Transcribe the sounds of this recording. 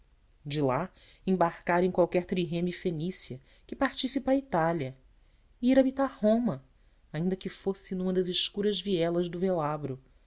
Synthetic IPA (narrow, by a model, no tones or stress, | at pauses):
d͡ʒɪla | ẽbaɾkaɾẽj̃kwawkɛɾt̪ɾiɦẽmifenisiɐ | kɪpaɾt͡ʃisipɐit̪aljɐ | iiɾabit̪aɾhõmɐ | aĩnd̪ɐkɪfosɪnũmɐd̪ɐzɪʃkuɾɐzviɛlɐzd̪ʊvelabɾʊ